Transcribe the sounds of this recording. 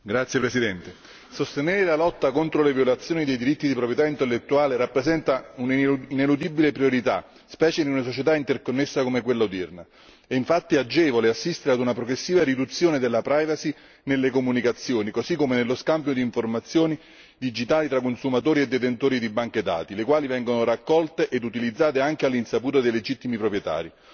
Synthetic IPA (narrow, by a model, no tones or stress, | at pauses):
ɡɾat̪sjepɾesid̪ɛnt̪e | sost̪eneːɾelalɔt̪ːakont̪ɾolevjolat̪sːjoːnid̪ejd̪iɾit̪ːid̪ipɾopjet̪aint̪elːet̪ːuaːleɾapːɾesɛnt̪auninelud̪ibilepɾjoɾit̪a̰ | spɛːt͡ʃed̪iunasot͡ʃet̪aint̪erkonːesːakomekwelːad̪irna | ɛiɱfat̪ːiad͡ʒːɛːvoleasːist̪eɾead̪unapɾoɡɾesːiːvaɾid̪ut̪sːjoːned̪elːapɾajvasi | nelːekomunikat̪sːjoːnikosikːomenelːoskambjod̪iːɱformat̪sːjoːni | d̪id͡ʒit̪aːlit̪ɾakːonsumat̪̬oːɾied̪ːet̪ent̪oːɾid̪ibːaŋk̟ed̪a̰ːt̪ilekwaːlivɛŋɡonoɾakːɔlt̪eʔed̪ut̪ilid̪zːaːt̪eaŋk̟ealːinsapuːt̪od̪ejled͡ʒit̪ːimipɾopɾjet̪a̰ːɾi